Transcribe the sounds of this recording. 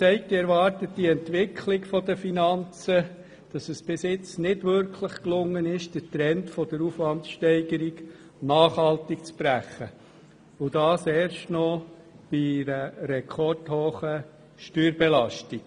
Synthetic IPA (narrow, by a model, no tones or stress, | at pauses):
t͡sɛɪk̚tɪɛɾʋɑrtətdiɛntʋɪkʰlikfɔdəfinɑnt͡sə | d̥ɑsəsb̥ɪsɪt͡snɪdʋʏɾkʰləχklʊŋːənɪʃd̥ətɾɛntfɔdəɾufʋɑntʃtɛɪɡəɾiɡ | nɑːχhɑltikt͡sb̥ɾæχːə | ʊdɑːsɛːɾʃtnɔ | b̥iɾəɾɛkʰɔrthoːχə | ʃtyːɾbɛlɑʃtik